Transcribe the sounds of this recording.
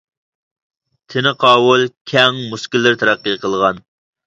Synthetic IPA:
t̪ʰɪnɨqʰɑːwulˠkʲʰɛŋmuskʲilːɪɾt̪ʰɛɾæqːiqʰəlˠʁɑn

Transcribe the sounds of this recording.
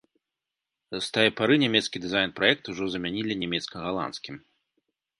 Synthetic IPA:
st̪ajɛpaɾɨnʲamʲɛt̪skʲid̪ɨzajnpɾajɛk̚t̪uʐɔzɐmʲanʲilʲinʲamʲɛt̪skɐɣalˠa̰nskʲim

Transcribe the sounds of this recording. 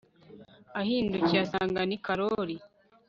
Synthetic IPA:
ahiːnduciasaːŋɡanikaɾoɾi

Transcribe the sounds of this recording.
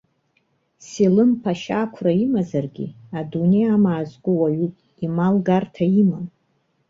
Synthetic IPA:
silɨmpʰaʃakʷʰraimazarɡʲḭadunejamaːzɡʷʊwaɥupʼ | imalɡartʰaimam

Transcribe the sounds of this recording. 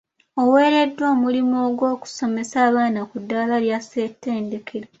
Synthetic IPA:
owe̞ːɾe̞dːwo̞ːmulimoːɡwo̞ːku̥so̞me̞saːβaːnakudːalaljase̞tːe̞ːnde̞kʰeɾa

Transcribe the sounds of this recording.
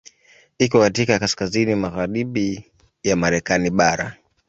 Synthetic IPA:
ikɔkatikakaskazinimaɣaɾiɓi | jamaɾɛkaniɓaɾa̰

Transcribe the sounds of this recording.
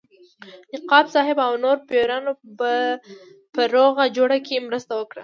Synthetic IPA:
nɪqɑbsɑɦɪbawnoɾpjoɾɑnoba | pəɾoɣad͡ʒoɽakʰemɾəst̪awəkɽa

